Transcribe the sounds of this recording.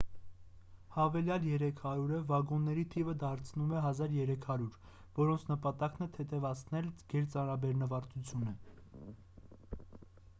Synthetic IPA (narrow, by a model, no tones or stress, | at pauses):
hɑvɛljɑljɛɾɛkʰhɑɾuɾəvɑɡɔnːɛɾit̪ʰivəd̪ɑɾt͡sʰnumɛɦɑzɑɾjɛɾɛkʰhɑɾuɾ | vɔɾɔnt͡sʰnəpɑt̪ɑknɛt̪ʰɛt̪ʰɛvɑt͡sʰnɛlɡ̥ɛɾt͡sɑnɾɑbɛɾnəvɑɾt̪ut͡sʰjunə